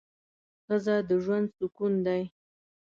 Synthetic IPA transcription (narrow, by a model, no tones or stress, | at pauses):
xəzad̪əʒwand̪sukund̪aj